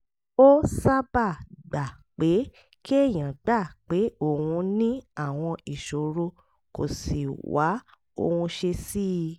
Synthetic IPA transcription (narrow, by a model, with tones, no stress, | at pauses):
o˦sa˦ba˦˨ɡ͡ba˨k͡pe˨˦ | ki˦e˦˨j̃ã˨ɡ͡ba˦˨k͡pe˨˦o˦˨wũ˧nĩ˦a˦˨w̃ɔ̃˧i˨ʃo˨ɾo˧ | ko̰˨si˨wa˨˦ | o̰˧˨wũ˧ʃe˧si˦˧